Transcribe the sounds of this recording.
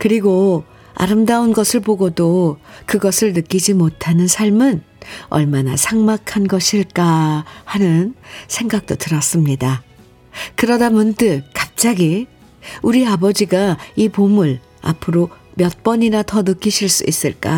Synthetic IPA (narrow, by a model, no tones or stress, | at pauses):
kɯɾiɡo | a̰ɾɯmdaunɡʌsʰɯɭpoɡodokɯɡʌsʰɯɭnɯk͈id͡ʑimotʰanɯnsʰaɭmɯn | ʌ̰ɭmanasʰaŋmakʰanɡʌɕʰiɭk͈ahanɯnsʰe̞ŋɡak̚t͈otɯɾʌs͈ɯmɲida | kɯɾʌdamjʌntɯkap̚t͡ɕ͈aɡi | uɾiabʌd͡ʑiɡaipomuɭ | a̰pʰɯɾomjʌt̚p͈ʌɲinatʌnɯk͈iɕʰiɭs͈ṵis͈ɯɭk͈a̰